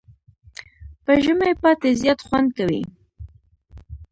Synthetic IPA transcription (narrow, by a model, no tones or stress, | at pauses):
pəʒəmepɑt̪ezjɑt̪xwand̪̚kawḭ